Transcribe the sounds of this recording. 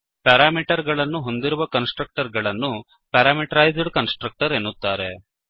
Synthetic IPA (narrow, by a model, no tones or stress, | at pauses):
pɐɾaːmiʈɐɾɡɐɭɐnːuɦo̞nd̪iɾuʋɐkɐnsʈɾɐk̚ʈɐɾɡɐɭɐnːu | pɐɾaːmiʈɐɾɐjd͡ʒɖkɐnsʈɾɐk̚ʈɐɾeːnːut̪ːaːɾe